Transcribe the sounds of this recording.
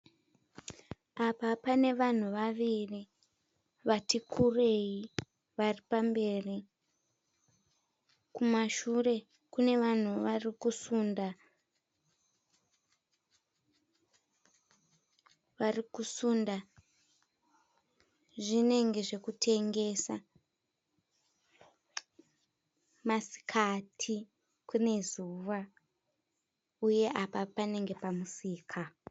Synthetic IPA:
apapane̞ʋan̤uʋaʋiri | ʋatikʰure̞ji | ʋaripambe̞ri | kumaʃure̞ | kune̞ʋan̤uʋarikusunda | ʋarikusunda | ʐine̞ŋɡe̞ʐe̞kutʰe̞ŋɡe̞sa | masi̥kʰatʰi | kune̞zuʋa | uje̞ʔapapane̞ŋɡe̞pamusiːkʰa

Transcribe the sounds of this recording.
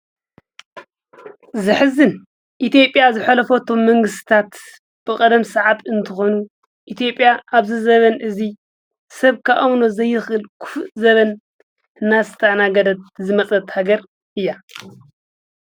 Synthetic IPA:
zɨħɨzɨn | ʔit̪ʰijo̞pʼjazɨħalɐfo̞t̪ʰo̞mːɐŋɡɨst̪ɨ̥t̪ʰat̪ | b̥ɨkʼɐd̪ɐmsɐʕat̪ɨnt̪ʰɨxo̞nu | ʔit̪ʰijo̞pʼjaʔaβzɨzɐβɐnʔɨzi | sɐβkʰaʔawno̞zɐjːɨxɨlkʰu̥fzɐβɐn | ɨnːasɨt̪ʰɐnaɡɐd̪ɐt̪̚zɨmɐt͡sʼɐt̪haɡɐɾ | ʔɨjːa

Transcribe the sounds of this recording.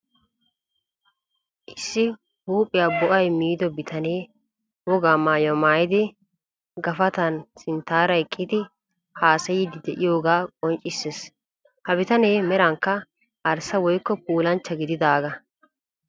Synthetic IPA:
ʔɪsːɪ | huːpʼːɪjabʊʔɐjmiːd̪ɔbɪt̪ʰɐneː | wɔɡaːmaːjɔmaːjɪd̪ɪ | ɡɐfɐt̪ɐnsɪnt̪ːaːɾɐjkʼːɪd̪ɪ | haːsɐjɪd̪ɪd̪ɛʔɪjo̞ːɡaːkʼɔnt͡ʃʼɪsːes | hɐbɪt̪ɐneːmɛɾɐŋkːɐ | ʔɐɾsɐwɔjkːɔpuːlɐnt͡ʃːɐɡɪd̪ɪd̪aːɡɐ

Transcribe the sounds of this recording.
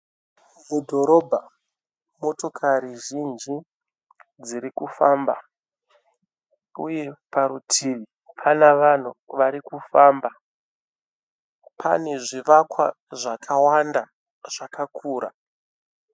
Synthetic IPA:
mudʱo̞ɾo̞bʱa | mo̞to̞kʰaɾiʒind͡ʒi | d͡ziɾikufamba̰ | uje̞paɾutʰiʋi | pʰanaʋan̤uʋaɾikufamba | pʰa̰ne̞ʐiʋakwa̰ | ʐakʰawanda | ʐ̥akakʰuːɾa̰

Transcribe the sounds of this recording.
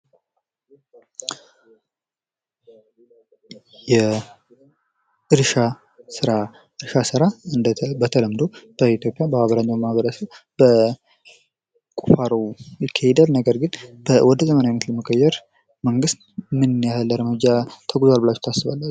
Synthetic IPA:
jɛ | ʔɨɾʃa | sɨɾa | ʔɨɾʃasɨɾaɨnd̪bət̪ʰələmd̪ob̥əit̪jo̞pʼjabəhaβəɾanːəmaβəɾəsəβbə | kʼufaɾowjɪkʰːəhed̪alnəɡəɾɡɨnb̥əwɔd̪əzəmənawinət̪ləməkʼːəjɛɾ | məŋɡɨst̪mɨnnjahəlːəɾəmɨd͡ʒat̪ʰəɡuzoalbɨlat͡ʃːt̪ʰasːɨβalːat͡ʃː

